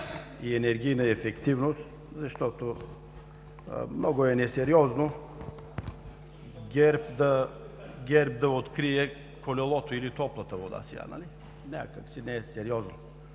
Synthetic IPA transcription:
iɛnɛɾɡʲijnəɛfɛkt̪ivnost̪ | zɐʃt̪ɔt̪o | mnɔɡoɛnɛsɛɾiɔzno | ɡʲɛɾpd̪ɐ | ɡʲɛɾp̚d̪ɐot̪kɾiɛ | kolɛlˠɔt̪oilit̪ɔplˠət̪əvod̪a̰sḭa̰na̰li | nʲa̰kəksinɛɛsɛɾiɔzno

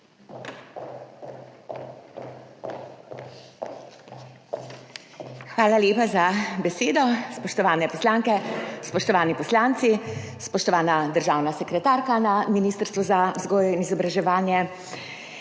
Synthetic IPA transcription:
xʋaːlaljeːpazabɛseːd̪ɔspɔʃt̪ɔʋaːnɛpɔslaːŋkɛspɔʃt̪ɔʋaːnipɔslaːnt̪sispɔʃt̪ɔʋaːnad̪əɾʒaːwnasɛkɾɛt̪aːɾkanaminiːst̪əɾst̪ʋuzazɡɔːjɛinizɔbɾaʒɛʋaːnjɛ

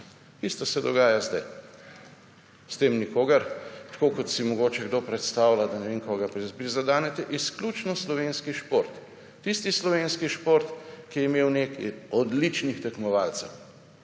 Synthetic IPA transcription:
t̪ist̪ɔsɛd̪ɔɡaːjazd̪a̰j | st̪emnikoːɡɐɾt̪koːkɔt̪simɔɡoːt͡ʃɛɡd̪opɾɛt̪st̪aːwlad̪anɛʋeŋkoɡapɾizbɾizad̪aːnɛt̪ɛʔisklʲut͡ʃnɔslɔʋeːnskiʃpoɾt̪ː | ist̪islɔʋenskiʃpoɾt̪kijɛimeːwnekiɔd̪lit͡ʃnixt̪ɛkmɔʋalt̪sɛw

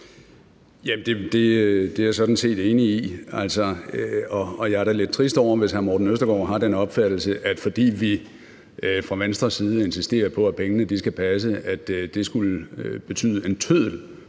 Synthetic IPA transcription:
jæmnd̥e̝d̥e̝d̥e̝æɐsɒ̽d̥n̩se̝̰ːd̥e̝ːniiæl̰sɒɒɒjɑæɐɾ̥æle̝d̥̚t͡sʰʁisd̥ɒʊ̰ɐʋe̝shæɐmɒːd̥n̩øsd̥ɐɡ̥ɒ̰ɦɑ̈d̥enɒ̽b̥fæd̥l̩səʔæd̥fɒ̽d̥ḭːʋi | fʁɑ̈ʋensd̥ʁɐsiːð̞ˠəe̝nsisd̥e̝̰ːɐpʰɒ̽æpʰeŋənəd̥isɡ̥æpʰæs̬əʔæd̥d̥e̝sɡ̥ulb̥e̝t͡sʰy̰ːðˠəe̝nt͡sʰøð̰ˠl̩

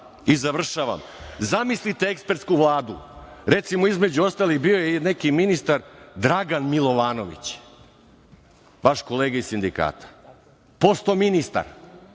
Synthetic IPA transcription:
izaʋr̩ʃaʋa̰mzamislit̪eekspe̞ɾt̪skuʋlˠaːd̪u | ɾe̞t̪simoizmed͡ʑuo̞st̪aːlixbio̞jenekiminist̪aɾd̪ɾaɡanmilo̞ʋaːno̞ʋḭt͡ɕ | ʋaʃkoleːɡaisind̪ika̰ːt̪ḁ | po̞st̪ominist̪a̰ɾ

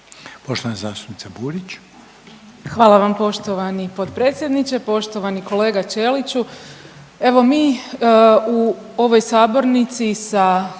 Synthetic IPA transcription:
po̞ʃt̪oanazaːst̪u̥pnitsabuːɾit͡ɕ | xʋaːlˠaʋampo̞ʃt̪oʋanipo̞t̪pɾe̞ːt̪sje̞d̪nit͡ɕe̞po̞ʃt̪o̞ʋaniko̞le̞ːɡat͡ʃe̞ːlit͡ɕu | e̞ʋo̞miː | u | o̞ʋo̞jsaːbo̞ɾnit̪sisa

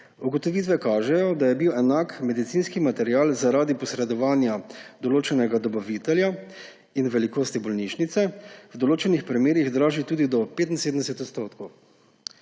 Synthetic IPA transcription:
uɡɔt̪ɔʋiːt̪ʋɛkaːʒɛjɔd̪ajɛbiwɛnakmɛd̪it̪siːnskimat̪ɛɾjaːlzaɾaːd̪ipɔsɾɛd̪ɔʋaːnjad̪ɔloːt͡ʃɛnɛɡad̪ɔbaʋiːt̪ɛlja | inʋɛlikoːst̪ibɔlniːʃnit̪sɛwd̪ɔloːt͡ʃɛnixpɾimeːɾiɣd̪ɾaːʒit̪uːd̪id̪ɔpeːt̪in̩seːd̪əmd̪ɛsɛt̪ɔt̪st̪oːt̪kɔw

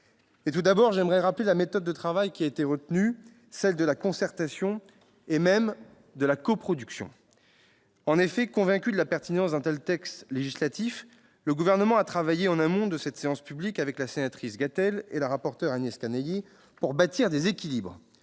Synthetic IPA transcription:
et̪ud̪abɔʁʒɛmʁɛʁaplelamet̪ɔd̪ːət̪χavajkʲiaet̪eʁət̪ny | sɛld̪əlakɔ̃sɛʁt̪asjɔ̃ | emɛm | d̪əlakopχɔd̪yksjɔ̰̃ | ɑ̃nefɛkɔ̃vɛ̃kʲyd̪əlapɛʁt̪inɑ̃sd̪ɛ̃t̪ɛlt̪ɛkst̪leʒislat̪if | ləɡuvɛʁnəmɑ̃at̪χavajeɑ̃nãmɔ̃d̪əsɛt̪seɑ̃spyblikavɛklasenat̪χisɡat̪ɛlḛlaʁapɔʁt̪œʁanjɛskaneje | puʁbat̪iʁd̪ezekʲilibʁ

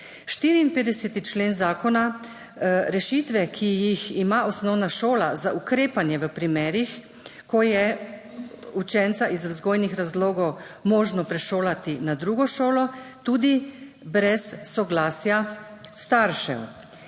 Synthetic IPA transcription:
ʃt̪iːɾiːnpeːd̪d̪ɛsɛt̪it͡ʃleːnzaːkɔna | ɾɛʃit̪ʋɛkʰijiximaɔsnɔwnaʃoːlazaʔukɾeːpanjɛʋəpɾimɛːɾix | kɔjɛ | ut͡ʃɛnt̪saʔizzɡoːjnixɾazloːɡɔwmɔːʒnɔpɾɛʃoːlat̪inad̪ɾuɡɔʃoːlɔt̪uːd̪i | bɾɛsːɔɡlaːsjast̪aɾʃɛ̰w

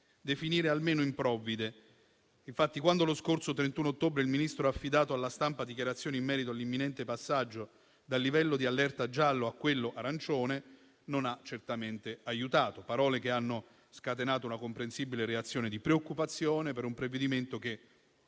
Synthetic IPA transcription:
d̪efiniːɾealmeːnoimpɾɔvːid̪e | iɱfat̪ːikwand̪oloskorsot̪ɾent̪unoot̪ːoːbɾeilminist̪ɾoafːid̪aːt̪oalːast̪ampad̪ikjaɾat̪sːjoːneimːɛːɾit̪oalːimːinɛnt̪epasːad͡ʒːo | d̪alːivɛlːod̪ialːɛrt̪ad͡ʒalːoakːwelːoʔaɾant͡ʃoːne | nonat͡ʃːert̪ament̪eajut̪aːt̪opaɾɔːlek̟eanːo | skat̪enaːt̪ounakompɾensibileɾeat̪sːjoːned̪ipɾeokːupat̪sːjoːnepeɾumpɾeved̪iment̪ok̟e

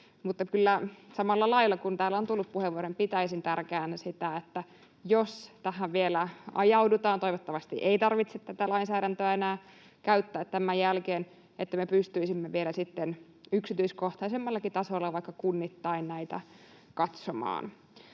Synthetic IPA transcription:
mut̪ːɑkylːæsɑmɑlːɑlɑilːɑkunt̪æːlːont̪ulːuppuheʋːuoɾempit̪æisint̪ærkæːnsit̪æet̪ːæ | jost̪æɦæʋʋielæɑ̰jɑudut̪ɑːnt̪o̞iʋot̪ːɑʋɑst̪ḭʔeit̪ɑrʋit̪set̪t̪æt̪ælɑinsæːɾænt̪øæenæː | kæyt̪ːæːt̪ːæmæjælkeːn | et̪ːæmepyst̪yisimːeʋielæsit̪ːen | yksit̪yiskoht̪ɑisemːɑlːɑkit̪ɑsolːɑʋɑikːɑkunːit̪ːɑinnæit̪æ̰ | kɑt̪somɑ̰ːn

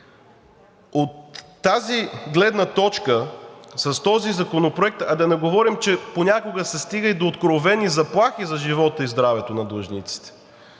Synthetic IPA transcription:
ot̪ː | aziɡlɛd̪nət̪ɔt͡ʃkəsɐst̪ɔzizɐkonopɾoɛk̚t̪ɐd̪ɐnɛɡovɔɾimt͡ʃɛponʲakoɡəsɛst̪iɡəjd̪oːt̪kɾovɛnizɐplˠaxizɐʒivɔt̪əizd̪ɾavɛt̪onɐd̪lˠəʒnit̪si̥t̪ɛ̥

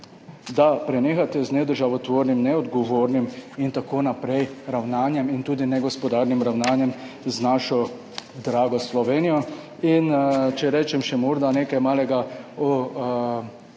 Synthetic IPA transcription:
d̪apɾɛneːxat̪ɛznɛd̪əɾʒaʋɔt̪ʋoːɾnimnɛɔd̪ɡɔʋoːɾnimint̪akoːnapɾɛjɾawnaːnjɛmint̪uːd̪inɛɡɔspɔd̪aɾnimɾawnaːnjɛmznaʃɔ | d̪ɾaːɡɔslɔʋeːnijɔ | int͡ʃɛɾɛːt͡ʃɛmʃɛmoːɾd̪aneːkajmaːlɛɡaɔ

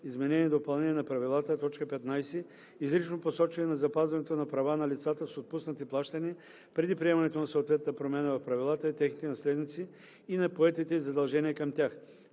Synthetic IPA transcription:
izmɛnɛnʲiɛd̪opɐlˠnɛnʲiːɛnɐpɾɐvilˠat̪ət̪ɔt͡ʃkəpɛt̪najsɛ | izɾit͡ʃnoposɔt͡ʃvɐnɛnɐzɐpazvɐnɛt̪onɐpɾɐvanɐlʲit̪sat̪əsot̪̚pusnət̪iplˠaʃt̪əniə | pɾɛd̪ipɾiɛmɐnɛt̪onɐsoːt̪vɛt̪̚nəpɾomʲɛnəvɐfpɾɐvilˠat̪əit̪ɛxnit̪ɛnɐslɛd̪nit̪siː | nɐpoɛt̪it̪ɛizɐd̪ɐlˠʒɛniəkɐmt̪ʲjax

